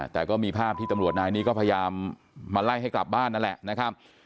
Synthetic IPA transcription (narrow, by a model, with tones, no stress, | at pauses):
t̪ɛː˨˩kɔː˥˩miː˧pʰaː˥˩p̚t̪ʰiː˥˩a˧mɾu˨˩ət̪̚naː˧jniː˦˥kɔː˥˩pʰa˧ja˧jaː˧mː | aː˧la˥˩jɦa˥˩jkla˨˩p̚baː˥˩nːa˦˥nlɛ̰˨˩ʔna˦˥kʰa˦˥p̚